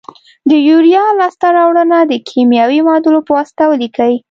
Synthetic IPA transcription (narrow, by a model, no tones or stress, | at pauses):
d̪əjuɾijɑlɑst̪aɾɑwɽənad̪əkʰemjɑwimɑd̪əlopəwast̪awlikəwi